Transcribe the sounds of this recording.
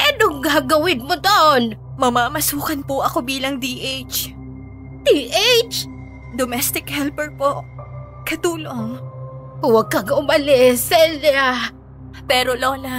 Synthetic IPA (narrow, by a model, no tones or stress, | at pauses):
ʔɛnoŋɡaːɡɐwɪnmod̪oʔnmɐmaːmɐsuːkɐnpʊʔɐko̞biːlɐŋd̪iʔejt͡ʃ | d̪iːʔejt͡ʃ | d̪omɛst̪ɪkhɛlpɛɹpoʔ | kɐt̪uːloŋ | wɐɡ̚kɐɡʔʊmɐlɪsɛlɐ | pɛːɾoloːnɐ